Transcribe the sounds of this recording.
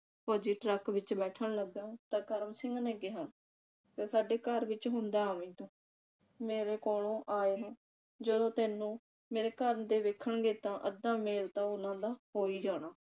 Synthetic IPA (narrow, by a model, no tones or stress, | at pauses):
pɔːd͡ʒiːʈɾəkʋɪt͡ʃbɛːʈʰəɳləɡãːt̪ãːkəɾəmsɪ̃ŋɡneːɡeːɦãː | k̪eːsaːɖeːkəɾʋɪt͡ʃɦʊnd̪aːaːʋĩːt̪õː | meːɾeːkoːlõːʔaːeːɦãː | d͡ʒəd̪õːt̪ɛːnũː | meːɾeːkəɾənd̪eːʋeːkʰːəɳɡeːt̪ãːʔəd̪ãːmeːlt̪ãːʊnãːd̪aːɦoːiːd͡ʒaːɽ̃aː